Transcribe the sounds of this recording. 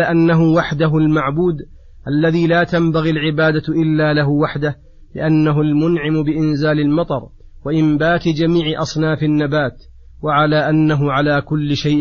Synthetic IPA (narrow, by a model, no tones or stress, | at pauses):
aʔanːaɦʊwaħd̪aɦʊlmaʕbuːd̪ | ʔalːaðiːlaːt̪ambaɣilʕɪbaːd̪aʔɪlːaːlaɦʊwaħd̪ah | lɪʔanːaɦʊlmʊnʕɪmbɪʔɪnzaːlɪlmɑt̪ˤɑɾˤ | waʔɪmbaːt̪ɪd͡ʒamiːʕɪʔɑsˤnaːfɪnːabaːt̪ | waʕalaːʔanːaɦʊʕalaːkʊlːɪʃajʔ